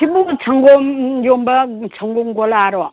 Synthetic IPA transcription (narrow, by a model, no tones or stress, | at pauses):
tʰibut͡ʃʰaŋɡɔmjɔmbɐt͡ʃʰaŋɡɔmɡɔlaɾɔ